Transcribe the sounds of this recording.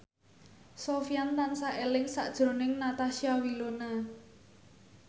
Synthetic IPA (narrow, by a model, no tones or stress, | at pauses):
sofijant̪ansaʔelɪŋsaʔd̥ʒ̥ɾo̤nɪŋnat̪asiawilona